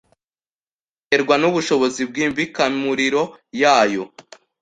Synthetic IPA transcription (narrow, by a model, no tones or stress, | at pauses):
e̞ɾɡwanuβuʃo̞βo̞zib̚ɡiːmvikamuɾiɾo̞jaːjo̞̰